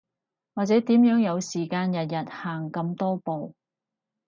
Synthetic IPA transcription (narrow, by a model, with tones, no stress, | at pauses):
waː˨t͡sɛː˨˥t̪iː˨˥mjœː˨˥ŋjɐ˨˧wsiː˨˩kaː˧njɐ˨t̬̚jɐ˨t̚haː˨ŋkɐ˧mt̪ɔː˥po˨w